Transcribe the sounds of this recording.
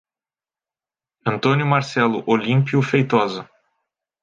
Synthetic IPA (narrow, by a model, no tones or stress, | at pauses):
ɐ̃nt̪õnjʊmaɾsɛlʊ̰ʔolĩmpiʊfejt̪ɔzʊ